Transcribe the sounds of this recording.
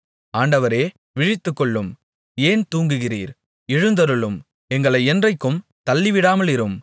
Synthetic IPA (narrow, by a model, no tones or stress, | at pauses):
aːɳɖɐʋɐɾeː | ʋɪɻɪt̪ːɯkːɔɭːɯm | eːnt̪uːŋɡɯɣɪrḭːɾ | ɪɻɯnd̪ɐɾɯɭɯm | ɛŋɡɐɭɐɪɛndrɐɪkːɯmt̪ɐlːɪʋɪɽaːmɐlɪɾɯm